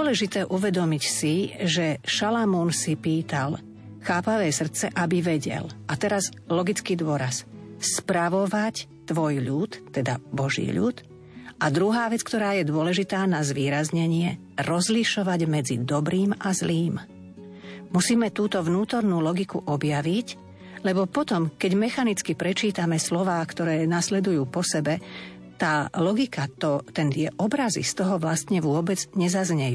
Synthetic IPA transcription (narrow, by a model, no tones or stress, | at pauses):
ɔlɛʒit̪ɛːʔuʋɛd̪ɔmicsiʒɛʃalamuːnsipiːt̪al | xaːpaʋɛːsr̩t̪t͡sɛʔabiʋɛɟɛ̰lʔat̪ɛɾaz | lɔɡit͡skiːd̪ʊɔɾasspɾaʋɔʋac | t̪ʋɔjʎut̪ːɛd̪abɔʒḭːʎṵt̪ | ad̪ɾuɦaːʋɛt͡skt̪ɔɾaːjɛd̪ʊɔlɛʒit̪aːnazʋiːɾazɲɛɲɪɛ | ɾɔzliʃɔʋaɟmɛd͡zḭd̪ɔbɾiːmʔazliːm | musiːmɛt̪uːt̪ɔʋnuːt̪ɔɾnuːlɔɡikuʔɔbjaʋic | lɛbɔpɔt̪ɔmkɛɟmɛxanit͡skipɾɛt͡ʃiːt̪amɛslɔʋaːkt̪ɔɾɛːnaslɛd̪ujuːpɔsɛbɛ | t̪aːlɔɡikat̪ɔt̪ɛnt̪ɪɛʔɔbɾazḭst̪ɔɦɔʋlast̪ɲɛʋʊɔbɛd͡zɲɛzazɲɛjuː